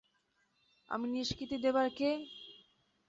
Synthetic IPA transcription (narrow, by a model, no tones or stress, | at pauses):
a̰miniʃkɾit̪id̪ebaɾke